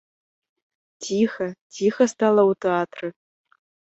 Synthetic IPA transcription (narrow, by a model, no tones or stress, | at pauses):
tʲʰixɐtʲixɐst̪alˠɐut̪eat̪rɨ